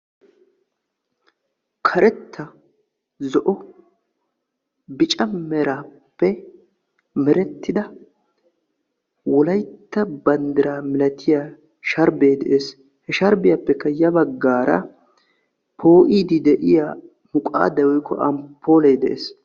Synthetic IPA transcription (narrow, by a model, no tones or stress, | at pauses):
kʰɐɾɛt̪ʰːɐ | zɔʔɔ | bɪt͡ʃʼɐmɛɾaːpːɛ | mɛɾɛt̪ːɪd̪ɐ | wɔlɐjt̪ːɐbɐnd̪ɪɾaːmɪlɐt̪ʰɪjaː | ʃɐɾbeːd̪ɛ̰ʔeːs | hɛʃɐɾbɪjapːɛkːɐjɐbɐɡːaːɾɐ̰ | pʰo̞ːʔiːd̪ɪd̪ɛʔɪjaː | mʊkʼa̰ːd̪ɐwɔjkːɔ̰ʔɐmpʰːo̞ːleːd̪ɛʔḛːs